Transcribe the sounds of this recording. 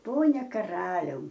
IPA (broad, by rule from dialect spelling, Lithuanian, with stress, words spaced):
ˈpoːnʲɛ kɐˈrɑːlʲɛʊ